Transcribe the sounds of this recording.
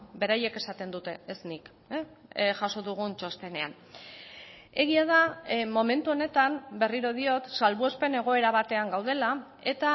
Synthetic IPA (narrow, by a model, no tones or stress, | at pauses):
be̞ɾaje̞ke̞sat̪e̞nd̪ut̪e̞ːsnik | ʝaso̞ðuɣ̞unt͡ʃo̞st̪e̞ne̞a̰n | e̞ɣiað̞amo̞me̞nt̪uo̞ne̞t̪ambe̞riɾo̞ð̞io̞t̪salβue̞spe̞ne̞ɣ̞o̞e̞ɾaβ̞at̪e̞aŋɡawð̞e̞la | e̞t̪a